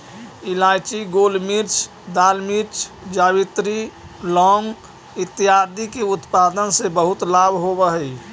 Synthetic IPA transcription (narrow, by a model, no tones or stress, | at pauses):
ilajt͡ʃiɡolmiɾt͡ʃʰ | d̪almiɾt͡ʃʰ | d͡ʒaːbit̪ɾi | lɔŋɡ | ɪt̪ːijad̪ikeʊt̪pad̪ənsebəɦʊt̪labʱɦobəɦəi